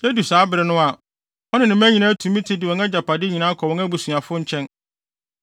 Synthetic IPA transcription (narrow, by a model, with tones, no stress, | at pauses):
sɛ˦du˨saː˨˦bɪ˨ɾɪ˨˦nʊ̃˦a˨ | ɔ˦nɪ̃˨nɪ̃˨m˦æ̃˦ɲĩ˨nã˦tʰũ˨mĩ˦tʰɪ˦dɪ˨ɔ̃˨ŋa˦d͡ʑa˨pʰa˨dɪ˦ɲĩ˨nãː˦kʰɔ˨wɔ̃˦ŋæ˦bu˨su˨a˨fʊ˦ɲ̩˦t͡ɕʰɛ̃˦n